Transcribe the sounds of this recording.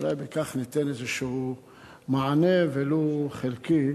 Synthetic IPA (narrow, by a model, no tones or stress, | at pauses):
lajbekaχnit̪enezeʃehu | maʕaneveloχelki